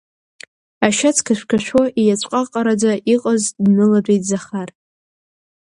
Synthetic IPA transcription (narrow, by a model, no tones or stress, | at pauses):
aʃat͡sʰkʰaʃʷᶣkʲʰaʃʷᶣoʔijat͡ɕʷʼqʼaqʼaɾad͡zaʔiqʼaznɨladʷejtʼzaχar